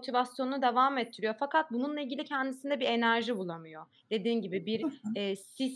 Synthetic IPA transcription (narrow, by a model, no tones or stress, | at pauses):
t̪ʰivasjo̞nunud̪e̞vaːmɛt̪ʰːiɾijo̞fakʰat̪̚bununlˠailʲɟʲilʲicʰɛnd̪isind̪ɛbiɾe̞næɾʒibulˠamɯjo̞ | d̪̥e̞d̪iːnɟibibiɾɛːsis